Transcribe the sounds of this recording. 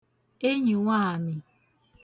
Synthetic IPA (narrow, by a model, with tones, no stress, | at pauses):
e˦ɲi˨ŋʷa˦˨a˨mi˨